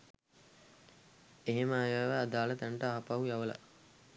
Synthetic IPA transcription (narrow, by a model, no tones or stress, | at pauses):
eɦeməaːjaːʋaːd̪aːlət̪ɛɳʈəaːpaujaʋəla̰